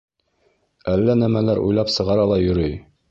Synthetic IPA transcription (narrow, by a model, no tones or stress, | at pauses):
ælːænæmælæɾʔṵjlˠɑpsɤ̆ʁɑɾɑlˠɑjɵ̆ɾɵj